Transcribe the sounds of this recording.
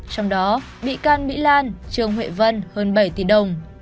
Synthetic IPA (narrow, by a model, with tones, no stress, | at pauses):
t͡ɕɔ˧wŋ͡mɗɔ˨˦ | ɓḭ˧˨kaː˧nmḭ˧˥laː˧nt͡ɕɨ˨˩əŋɦwḛ˧˨və˧nhəː˧nɓə˧˩jt̪i˧˩ɗə˨˩wŋ͡m